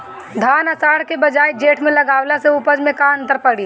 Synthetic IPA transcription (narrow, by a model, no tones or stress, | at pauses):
d̪ʱaːnəsaːɽkebɐd͡ʒaːjd͡ʒeːʈʰmẽlɐɡaːwlaseupəd͡ʒmẽkaə̃nt̪əɾpəɽiː